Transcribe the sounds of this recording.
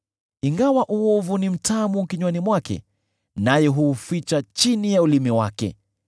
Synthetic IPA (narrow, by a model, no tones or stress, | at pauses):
iŋɡawaʔuɔvunim̩tamukiɲwanimwakɛ̰ | najɛɦuːfit͡ʃat͡ʃinijaulimɛwa̰kɛ̰